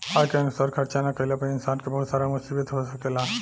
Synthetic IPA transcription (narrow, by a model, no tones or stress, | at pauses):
ajkeɐnusaːɾkʰəɾt͡ʃanakəilapəɪnsaːnkebəɦut̪saːɾamʊsibit̪ɦosəkela